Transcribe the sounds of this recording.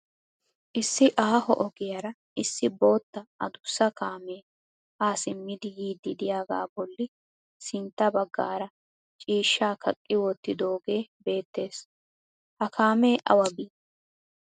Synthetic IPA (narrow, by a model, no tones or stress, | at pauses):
ʔɪsːɪʔaːhɔ̰ʔɔɡɪjɐɾɐ | ʔɪsːɪbo̞ːt̪ːɐɐ̰d̪ʊsːɐkaːmeː | ʔaːsɪmːɪd̪ɪjiːd̪ːɪd̪ɪjaːɡa̰ːbɔlːɪ | sɪnt̪ːɐbɐɡːa̰ːɾɐ | t͡ʃʼiːʃːaːkʰɐkʼːɪwɔt̪ːɪd̪o̞ːɡe̞ːbe̞ːt̪ːe̞ːs | hɐkaːmeːʔɐ̰wɐbiː